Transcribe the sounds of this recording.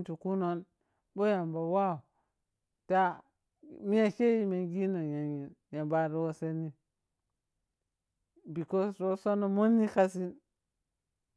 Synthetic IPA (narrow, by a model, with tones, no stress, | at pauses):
tu˨ku˦no˦n | bo˦ja˨mba˨wa˦u˨ | ta˦ | mi˦ja˨ke˦ji˦me˨ɡi˦no˨ja˨i˨nja˨mba˨ɾo˦wo˦se˦ni˦ | bi˨ko˦ɾo˦so˦no˨mo˦nːi˦ka˦s̬i˦n